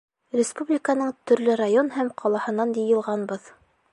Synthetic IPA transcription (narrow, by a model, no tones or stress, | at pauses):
rʲɪspublʲɪkənɤɴt̪ɵ̆ɾlɘɾajonhæmqʰɑlˠɑhɤ̆nɑnd̪ijɤ̆lˠʁɑnbɤð